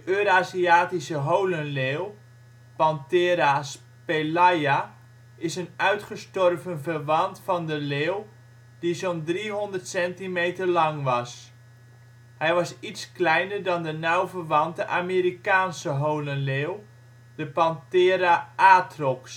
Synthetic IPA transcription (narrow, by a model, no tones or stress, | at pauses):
dəøɾaːziaːtisəɦowlənleːlˠ | pɑnteːɾas | pelaja | ɪsənœɥtχəstɔrvənvərʋɑntfɑndəleːlˠ | d̥izondriɦɔndərtsɛntimejtərlɑŋʋɑs | hɛjʋɑsitsklɛjnərdɑndənawvərʋɑntəʔameːɾikaːnsəɦowlənleːlˠ | dəpɑntɪːɾaaːtrɔks